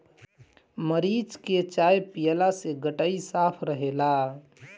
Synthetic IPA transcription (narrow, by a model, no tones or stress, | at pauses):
məɾid͡ʒket͡ʃajpijəlaseɡəʈaisapʰɾəɦela